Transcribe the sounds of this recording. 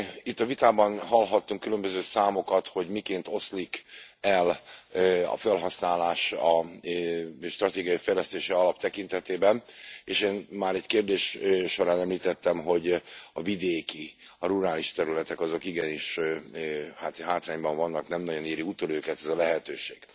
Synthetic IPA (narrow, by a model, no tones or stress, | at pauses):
it̪ːɒvit̪aːbɒnɦɒlɦɒt̪ːuŋkːylømbøzøːsaːmo̞kɒt̪ho̞ɟmikeːnt̪o̞slikɛl | ɒ̰fɛlɦɒsnaːlaːʃɒ | ʃt̪rɒt̪eːɡijɒjifɛjlɛst̪eːʃɛɒlɒp̚t̪ɛkint̪ɛt̪eːbɛneːʃeːnmaːɾɛckeːrd̪eːʃʃo̞ɾaːnɛmliːt̪ɛt̪ːɛmɦo̞ɟɒvid̪eːkiɒɾuɾaːliʃt̪ɛɾylɛt̪ɛkɒzo̞kiɡɛniʃ | hat̪ɦaːt̪raːɲbɒɱvɒnːɒknɛmnɒɟo̞niːɾiut̪oløːkɛt̪ɛzɒlɛɦɛt̪øːʃeːɡ̥